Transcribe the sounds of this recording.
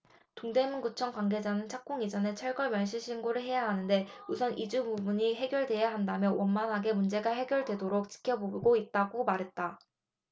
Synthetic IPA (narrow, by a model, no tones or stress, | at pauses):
toŋde̞munɡut͡ɕʰʌŋkwaŋɡe̞d͡ʑanɯnt͡ɕʰak̚k͈oŋid͡ʑʌne̞t͡ɕʰʌɭɡʌɭmjʌɭɕʰiɭɕʰinɡoɾɯɭɦe̞jaɦanɯnde̞usʰʌnʔid͡ʑububuɲiɦe̞ɡjʌɭdwe̞jaɦandamjʌwʔʌnmanɦaɡe̞mund͡ʑe̞ɡaɦe̞ɡjʌɭdwe̞doɾok̚t͡ɕ͈i̥kʰjʌboɡoit̚t͈aɡomaɾɦe̞t̚t͈a